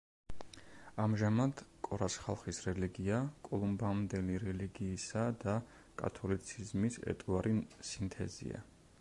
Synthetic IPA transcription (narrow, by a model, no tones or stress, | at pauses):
amʒamad̪̥kʼɔɾasχa̰lˠχisɾɛliɡiakʼɔlˠumbamd̪ɛliɾɛliɡiːsad̪a | kʼa̰t̪ʰɔlit̪sʰizmisɛ̰t̪ʼuaɾisint̪ʰɛ̰zḭa̰